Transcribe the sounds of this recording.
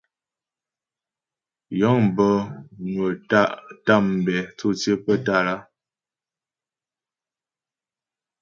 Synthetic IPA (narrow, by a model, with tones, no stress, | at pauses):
jɔ˨˦ŋ˨bə˦nwə˨ta˦˨ʔta˦˨m̩˨bɛ˨t͡su˦t͡se˦pə˦ta˦˨la˦